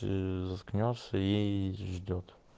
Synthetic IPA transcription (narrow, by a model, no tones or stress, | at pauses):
zɐsknʲɔsəjejʒd̪ʲot̪